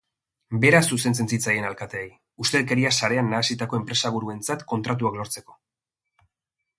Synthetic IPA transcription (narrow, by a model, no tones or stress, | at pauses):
be̞ɾasuse̞nt͡se̞nt͡sit͡saje̞nalkat̪e̞ːj | ust̪e̞ðeke̞ɾiasaɾe̞anːaːsit̪ako̞e̞mpɾe̞saβ̞uɾue̞nt͡sat̪ko̞nt̪ɾat̪uaklo̞ɾt͡se̞ko̞